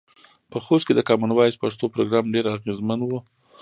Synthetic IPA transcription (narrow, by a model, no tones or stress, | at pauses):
pəxost̪ked̪əkɑmanwɑjspaʂt̪opɾoɡɾɑmɖeɾaɣezmanwu